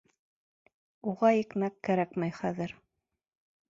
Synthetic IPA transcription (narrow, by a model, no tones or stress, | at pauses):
uʁɑjikmækːæɾækmæjχæðɘɾ